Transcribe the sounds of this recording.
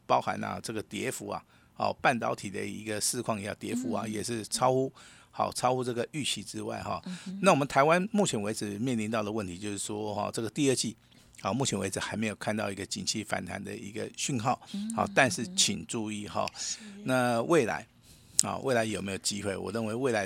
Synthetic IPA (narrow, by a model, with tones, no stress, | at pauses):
pɑ˥ʊxa̰˧˥nɐ̰˨ʈ͡ʂɤ˥˩ɡə˩t̪jɛ˧˥fu˧˥ɐ̰˨ | hɔ̰˨˩pa˥˩nt̪ɑ˧˥ʊt̪ʰi˨˩d̪ə̰˦ḭ˧˥ɡə˨ʂɻ̩˥˧kʰwɑ˥˧ŋjjɑ̰˥˩t̪jɛ˧˥fu˧˥ɐ̰˨jɛ˨˩ʂɻ̩˥˩t͡sʰɑ˥ʊxu˥ | xɑ̰˨˩ʊt͡sʰɑ˥ʊxu˥ʈ͡ʂɤ˥˩ɡə˩y˥˩t͡ɕʰi˧˥ʈ͡ʂɻ̩˥wa̰˥˩ɪxɑ̰˨˩na˥˩wɔ˨mə˨nt̪ʰa˧˥ɪwa˦nmu˥˩t͡ɕʰjɛ˧˥nwe˧˥ɪd͡zɻ̩˨˩mjɛ˥˩˨nli˧˥nt̪ɑ˥˩ʊd̪ə˩wə˥˩nt̪ʰi˧˥t͡ɕjo˥˧ʊʂɻ̩˥˩ʂwɔ˥xɔ̰˥˨ʈ͡ʂɤ˥˩ɡə˩t̪i˥˧ə˥˧t͡ɕi˥˩ | xɔ˨˩mu˥˩t͡ɕʰjɛ˧˥nwe˧˥ʈ͡ʂɻ̩˨˩xa˧˥ɪme˧˥jo˨˩kʰnt̪ɑ˥˧ʊi˧˥ɡə˧t͡ɕi˨˩nt͡ɕʰi˥˩fa̰˨˩nt̪ʰa˧˥nd̪ə̰˨ḭ˧˥ɡə̰˧ɕy˥˧nxɑ˥˩ʊxɔ̰˨˩t̪a˥˧nʂɻ̩˥˩t͡ɕʰi˨˩nʈ͡ʂu˥˧i˥˨xɑ̰˨˩na˥˧wʔe˥˩ɪla̰˧˦ɪ | hɔ̰˨wʔe˥˩ɪla˧ɪjo˨˩me˧˥jo˨˩ʊt͡ɕi˦˥xwe˥˩ɪwɔ̰˨˩ɻə˥˩nwe˧˥ɪwe˥˩ɪla˧˦ɪ